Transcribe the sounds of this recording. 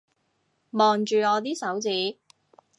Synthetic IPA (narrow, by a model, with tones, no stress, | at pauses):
mɔː˨nt͡ʃyː˨ŋɔː˨˧t̪̬iː˥sɐ˨˥wt͡siː˨˥